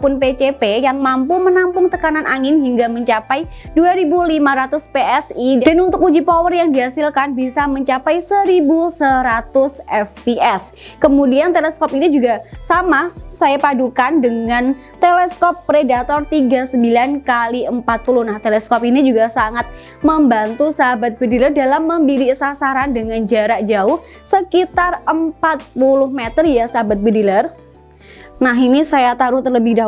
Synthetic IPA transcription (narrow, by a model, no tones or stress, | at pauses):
pʊnpet͡ʃepejaŋmampumənampʊŋt̪əkananʔaŋɪnɦiŋɡaməɲt͡ʃapajduaɾibulimaɾat̪ʊspeɛsidadanunt̪ʊkud͡ʒipɔwərjaŋdiɦasɪlkanbisaməɲt͡ʃapajsəɾibusəɾat̪ʊsɛfiɛs | kəmudiant̪elɛskɔpinid͡ʒuɡasamasajapadukandəŋan | t̪eleskɔpːɾedat̪ɔrt̪iɡasəmbilankaliəmpat̪̚pulʊhnaht̪elɛskɔpinid͡ʒuɡasaŋat̪̚ | məmbant̪usaɦabat̪̚bədilərdalamːəmbiɾisasaɾandəŋand͡ʒaɾaʔd͡ʒaʊh | səkit̪arəmpat̪̚pulʊhmet̪ərjasaɦabat̪̚bədilər | naɦinisajat̪aɾʊht̪ərləbɪhda